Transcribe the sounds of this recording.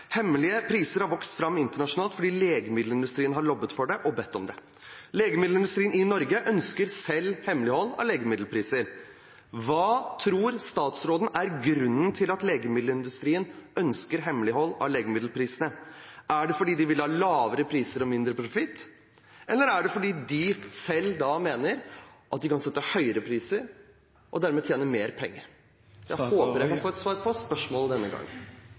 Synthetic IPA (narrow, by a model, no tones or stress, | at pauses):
hɛmːəlɪəpʰɾiːsəɾhɑɾʋɔkst̪fɾɑmːɪnt̪əɳɑʂʊnɑːlt̪fɔɖiːleːɡəmɪd̪l̩ɪnd̪ʉst̪ɾiːənɦɑɾɭɔbːət̪fɔɖɛʔɔbɛt̪ʰːɔmd̪ɛ | leːɡəmɪd̪l̩ɪnd̪ʉst̪ɾiːənɪnɔɾɡəʔœnskəɾsɛlːhɛmlɪhɔlːɑ̰leːɡəmɪd̪l̩pʰɾiːsəɾ | ʋɑːt̪ʰɾuːɾst̪ɑːt̪sɾoːd̪n̩ʔæɾɡɾʉnːənt̪ʰɪlɑt̪leːɡəmɪd̪lɪnd̪ʉst̪ɾiːənœnskəɾɦɛmlɪɦɔlːɑ̰leːɡəmɪd̪l̩pʰɾiːsənəʔæɖɛfɔɖiːd̪ɪʋɪlhɑːlɑːʋəɾəpʰɾiːsəɾɔmɪnd̪ɾəpʰɾʊfɪt̪ː | ʔɛlːəɾæɖɛfɔɖiːd̪ɪsɛld̪ɑmeːnəɾʔɑt̪̚d̪ɪkɑnsɛt̪ːəhœʏəɾəpʰɾiːsəɾ | ʔɔd̪æɾmɛt̪ʰjeːnəmeːɾpʰɛŋːə̰ɾ | jæɪhoːpəɾjæɪkʰɑnfoːɛt̪sʋɑːɾpʰɔspœʂmɔːld̪ɛnːəɡɑ̰ŋːə